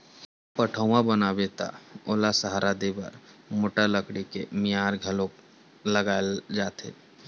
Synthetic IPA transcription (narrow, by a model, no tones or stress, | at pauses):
pəʈʰəwãbənabeːt̪a̰oːlasəɦaɾad̪ebə̰ɾmoʈəɾləkɽikemijaːɾɡʱəlõ | ləɡaːld͡ʒaːt̪ḛ